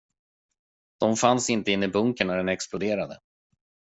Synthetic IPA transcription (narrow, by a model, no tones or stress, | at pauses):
d̪̥ɔmfansɪnt̪əɪnːɪbɵŋkəɳːæɖɛnɛksplʊd̪eːɾad̪ə̰